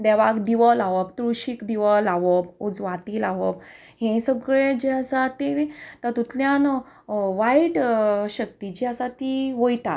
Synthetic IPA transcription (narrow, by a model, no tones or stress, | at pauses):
d̪ɛʋakd̪iʋəlaʋəbt̪ɾuɕikd̪iʋəlaʋəbud͡zʋat̪iːlaʋəb | hẽsəɡɭed͡ʑeasat̪et̪ət̪ut̪ljãn | ʋajiʈɕək̚t̪id͡ʑiasat̪iʋəjt̪a̰